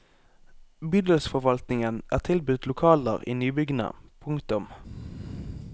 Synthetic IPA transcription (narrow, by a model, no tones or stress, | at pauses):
byd̪əlsfɔʋɑlt̪nɪŋənʔæ̰ːʁt̪ʰɪlbʉt̪lʊkʰɑːlə̰ʁiːnyːbʏɡnə̰pʰʊŋkt̪ʊm